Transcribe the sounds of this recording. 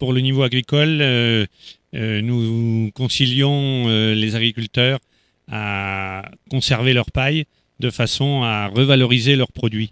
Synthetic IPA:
puʁlənivoaɡʁikɔl | ønukɔ̃siljɔ̃ølezaɡʁikʲylt̪œːʁ | a | kɔ̃sɛʁvelœʁpaj | d̪əfasɔ̃aʁəvalɔʁizelœʁpχɔd̪ɥi

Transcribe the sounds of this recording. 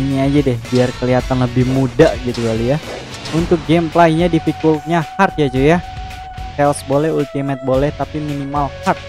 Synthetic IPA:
ɲiad͡ʒadɛhbiarkəliat̪anləbɪhmudaɡit̪uɡalija | unt̪ʊk̚ɡɛmplaiɲadifikulɲahart̪̚jad͡ʒuja | kɛɔsbolɛɦult̪imɛt̪̚bolɛht̪apiminimalhart̪̚

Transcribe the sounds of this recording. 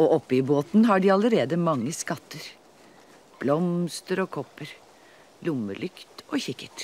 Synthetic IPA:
oːʔɔpːəɪboːt̪n̩ɦɑːɖiːɑləɾeːd̪əmɑŋːəskɑt̪ːəɾ | b̥lɔmst̪əɾɔːkʰɔpːəɾ | lʊmːəlʔʏkt̪ʔoːçɪkːəʈ

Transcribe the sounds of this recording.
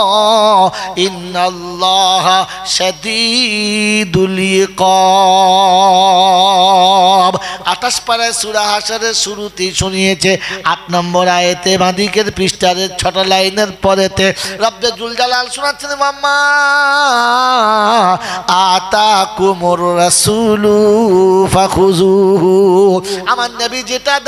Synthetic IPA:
inːɐlːɔɦa | ʃɐd̪i | d̪uliqɔ | bat̪aʃpaɾaesuɾaɦaʃaɾeʃuɾut̪iʃunijet͡ɕʰeatnɔmboɾajet̪ebãd̪ikeɾpɾiʃʈaɾeɾt͡ɕʰɔʈalajneɾpɔɾet̪eɾɔbːjad͡ʑuld͡ʑalalʃunatːʰenmamːa | at̪akumoɾːɐsulu | faxuzuɦ | amaɾnɐbid͡ʑeʈad̪

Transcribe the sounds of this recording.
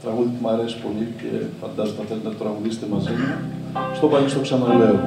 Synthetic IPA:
t̪ɾɐɣuðit̪emɐɾesi̥po̞licḛfɐnd̪ɐzot̪ɐft̪ent̪et̪ot̪ɾɐɣuðist̪emɐzimu | st̪opɐnist̪oksɐnɐleo

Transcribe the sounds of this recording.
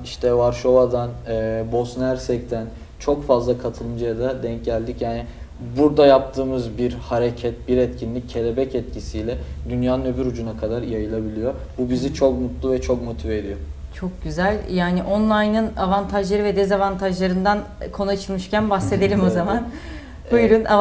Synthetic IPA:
iʃt̪ʰɛvaɾʃo̞vad̪anɛbo̞snæɾsɛct̪ʰæn | t͡ʃʰo̞kfazlˠakʰat̪ʰɯlˠɯnd͡ʒajad̪ad̪ɛɲcɟælʲːicjaːnɪ | buɾd̪ajap̚t̪ʰɯːmɯzbiɾhaɾecʰɛt̪̚biɾɛt̪cʰinlʲicʰːe̞lʲebɛcɛt̪cʰisijlʲɛd̪ynjaːnɯnøbyɾud͡ʒunakʰad̪aɾjajɯlˠabilʲijo | bubizit͡ʃʰo̞kmut̪lˠuvɛt͡ʃʰo̞k̚mo̞t̪ʰived̪ijot͡ʃʰo̞k̚ɟyzælʲjaːnɪʔo̞nlˠajnɯnavant̪ʰaʒlˠaɾɯvɛd̪ɛzavant̪ʰaʒlˠaɾɯnd̪ankʰo̞nuat͡ʃʰɯlˠmɯʃcænbasːe̞d̪e̞lʲimo̞zaman | ujɾuna

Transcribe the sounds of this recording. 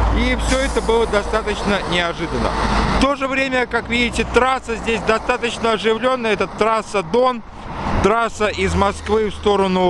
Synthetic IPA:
ifsʲɵɛt̪əbɨlˠəd̪ɐst̪at̪ət͡ɕnənʲɪɐʐɨd̪ənːə̰ft̪o̞ʐɨvɾʲemʲəkakvʲidʲɪtʲɪt̪ɾasəzʲdʲesʲd̪ɐst̪at̪ət͡ɕnəɐʐɨvlʲo̞nːəɛt̪ət̪ːɾasəd̪o̞n | t̪ɾasəɪzmɐskvɨfst̪o̞ɾənʊ

